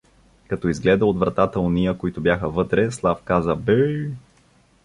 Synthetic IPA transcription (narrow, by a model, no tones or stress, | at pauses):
kɐt̪ɔizɡlɛd̪əod̪vɾɐt̪at̪əonijəkoit̪ʊbjaxəvɤt̪ɾɛslˠafkazəbɛ